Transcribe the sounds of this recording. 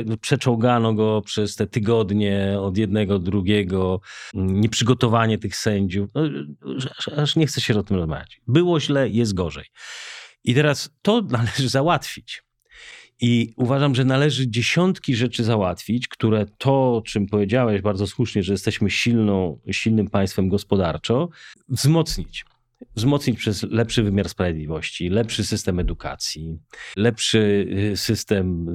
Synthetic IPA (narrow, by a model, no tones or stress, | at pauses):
pʂɛt͡ʂɔ̃w̃ɡanɔɡɔpʂɛst̪ɛt̪ɘɡɔd̪ɲɛɔd̪jɛd̪̚nɛɡɔd̪ːɾuɡʲɛɡɔ | ɲɛpʂɘɡɔt̪ɔvaɲɛt̪ɘxsɛɲd͡ʑufnɔaaʂɲɛxt̪sɛɕɛɔt̪ɨmɾɔzma̰vʲja̰t͡ɕbɘwɔʑlɛjɛs̬t̪̚ɡɔʐɛ̰j | it̪ɛɾast̪ɔnalɛʐɘzawat̪fʲit͡ɕ | iuvaʐamʐɛnalɛʐɘd͡ʑeɕɔnt̪kʲiʐɛt͡ʂɘzawat̪fʲit͡ɕkt̪uɾɛt̪ʰɔt͡ʂɘmpɔvjed͡ʑawɛʑbaɾdzɔswuʂɲɛʐɛjɛst̪ɛɕmɘɕilnɔ̃w̃ɕilnɘmpãj̃st̪fɛmɡɔspɔd̪aɾt͡ʂɔ̃vzmɔt̪sɲit͡ɕ | vzmɔt̪sɲit͡ɕpʂɛzlɛpʂɘvɘmʲjaɾspɾavʲed̪lʲivɔɕt͡ɕilɛpʂɘsɘst̪ɛmɛd̪ukʰa̰t̪sʲjilɛpʂɘsɘst̪ɛm